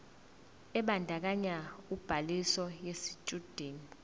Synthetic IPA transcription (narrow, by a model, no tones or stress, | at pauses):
ɛɓandʱak̬aɲaub̥ʱalisɔjesit͡ʃʼud̥ʱeːni